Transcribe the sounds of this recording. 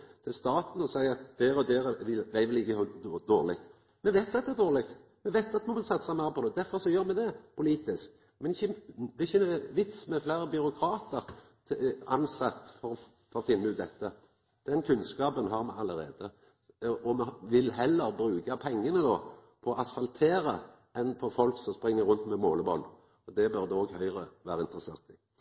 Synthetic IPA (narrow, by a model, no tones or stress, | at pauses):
t̪ʰɪlst̪ɑːt̪n̩ɔsæɪɑt̪d̪̥ɛɾɔd̪ɛɾʋɪʋæɪʋɪlɪkːəhɑd̪oːʁlɪkt̪ | mɛʋæɪt̪d̪ɑt̪d̪ɛːd̪oːʁɾlɪkt̪mɛʋæɪt̪ːɑt̪mɑnʋɪlsɑt̪ːsæɪmæːɾəpʰɔd̪ɛd̪æɾfɔɾsɔjøːɾmɛd̪ɛpʰʊliːt̪ɪsk̚ | mɛnɪçːəɪçːəʋɪt̪smɛflæɪɾəbʏɾʊkʰɾɑːt̪əɾ | ɑnsɑt̪ːfɔɾɔ | fɔɾɔfɪnːəʉːt̪̚d̪ɛt̪ːə | d̪̥ɛnkʰʉnskɑːpənɦɑʁmɛɑlːəɾeːd̪ə | ɔmɛʋɪlhɛlːəɾbɾʉːɡɑpʰɛŋːənənoːpʰɔːʔɑsfɑlt̪ʰeːɾə | ɛnpʰɔfɔlksɔmspɾɪŋːəɾʁʉnt̪mɛmoːləbɔl | ɔd̪ɛbœɾd̪ɛɔɡhœʏɾəʋæːʁəɪnt̪ɾəseːʁt̪ɪ